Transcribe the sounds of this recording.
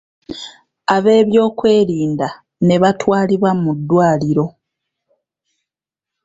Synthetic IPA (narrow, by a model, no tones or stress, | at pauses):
aβe̞ːβjo̞ːkwe̞ːɾiːnda | ne̞βatwaːliβwamudːwaːliɾo̞